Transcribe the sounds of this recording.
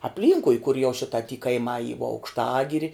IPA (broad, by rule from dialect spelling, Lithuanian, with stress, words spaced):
ɐpʲˈlʲiːŋkʊɪ kʊr jɛʊ ˈʃʲɪtɐ tʲiː kɐɪˈmɑː iː ʋoː ɐʊkʃˈtɑːɡʲɪrʲɪ